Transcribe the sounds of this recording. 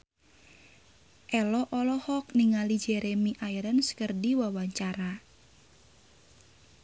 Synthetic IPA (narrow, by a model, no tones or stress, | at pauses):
ʔɛlɔʔɔlɔhɔk̚niŋalid͡ʒɛɾemiʔaiɾənsə̥kərdiwawaɲt͡ʃaɾa